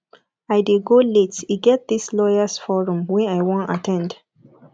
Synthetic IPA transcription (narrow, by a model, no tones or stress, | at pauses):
aɪdeɡoletiɡɛt̚ðislɔjasfɔɹũmwɛ̃aɪwɔ̃ntatʰɛ̃nd